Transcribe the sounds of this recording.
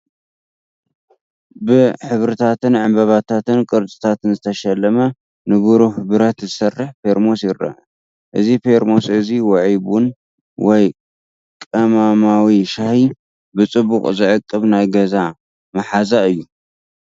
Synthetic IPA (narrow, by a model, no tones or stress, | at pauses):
bɨħɨβɾɨt̪ʰat̪ɨnʕɨmbɐβat̪ʰat̪ɨnkʼɨɾt̪ʼɨ̥t̪ʰat̪ɨnzɨt̪ʰɐʃɐlːɐmɐ | nɨɡuɾuhbɨɾɐt̪zɨsɐrːɨħpʰeɾmo̞sjɪrːɐ̰ʔ | ʔɨzipʰe̞ɾmo̞sɨziwɐʕibun | wɔj | kʼɐmamawiʃahi | bɨt͡sʼɨbukʼzɨʕɨkʼːɨβnajɡɐza | mɐħazaɨjːu